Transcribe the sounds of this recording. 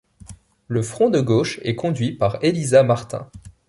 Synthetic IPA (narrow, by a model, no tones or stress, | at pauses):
ləfχɔ̃d̪əɡoʃɛ̰kɔ̃d̪ɥipaʁelizamaʁt̪ɛ̰̃